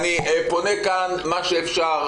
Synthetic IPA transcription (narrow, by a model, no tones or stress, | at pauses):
nieponekanmaʃeːfʃaʁ